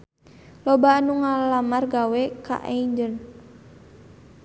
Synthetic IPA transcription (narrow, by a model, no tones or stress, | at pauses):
lɔbanuŋalamarɡawɛka̰ʔaiɲd͡ʒən